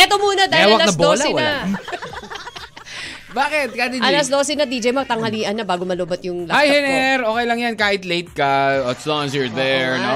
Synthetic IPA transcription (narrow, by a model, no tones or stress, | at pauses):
ʔɛt̪omuːnɐd̪aːhɪɛwɐkɐlanɐbdoːlɐwnɐ | baːkɪt̪̚kad̪iɐlɐsd̪o̞ːsɛnɐd̪id͡ʒɛjmɐt̪ɐŋhɐliːʔɐnːɐbaːɡomɐloːbɐt̪̚jʊŋlɐhajhɛnɛɾoːkɛjlɐŋjankaːhɪt̪lejt̪̚kɐɐt̪slɔnsɛɹðɛɹno